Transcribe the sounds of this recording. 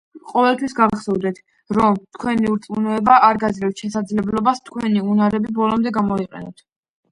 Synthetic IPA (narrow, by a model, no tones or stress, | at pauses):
qʼɔvɛlˠt̪ʰwisɡavχsɛvd̪ɛt̪ʰ | ɾɔmt̪ʰkʰwɛniuɾt̪sʼunɔɛbaʔaɾɡazlɛft̪ʃɛsad̪zlɛblɔbast̪ʰkʰwɛniunaɾɛbibɔlˠɔmd̪ɛɡamɔiqʼɛ̰nɔt̪ʰ